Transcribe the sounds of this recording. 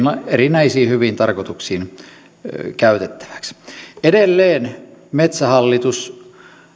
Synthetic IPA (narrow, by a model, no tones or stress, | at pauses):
nɑerinæisiːhyʋint̪ɑrkot̪uksiːn | kæyt̪et̪ːæ̥ʋæ̥ksedelːeːnmet̪sæhɑlːit̪us